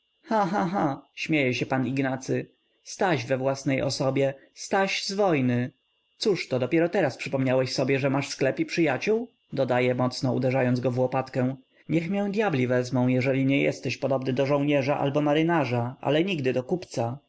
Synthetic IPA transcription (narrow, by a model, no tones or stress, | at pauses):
xãɦãɦãɕmʲjejɛɕɛpaniɡnat̪sɘ | st̪aɕvɛvwasnɛjʔɔ̰sɔbʲjɛst̪aɕzvɔjnɘ | t̪suʂt̪ɔd̪ɔpʲjɛɾɔt̪ɛɾaspʂɘpɔmɲawɛɕsɔbʲjɛʐɛmaʂsklɛpipʂɘjat͡ɕuw | d̪ɔd̪ajɛmɔt̪snɔṵd̪ɛʐajɔnzɡɔvwɔpat̪kɛ̃w̃ | ɲɛxmʲjɛw̃d̪ʲjablʲivɛzmɔ̃w̃jɛʐɛlʲiɲɛjɛ̰st̪ɛɕpɔd̪ɔbnɘd̪ɔʐɔ̃w̃ɲɛʐaʔa̰lbɔmaɾɘnaʐaʔa̰lɛɲiɡd̪ɘd̪ɔkupt̪sa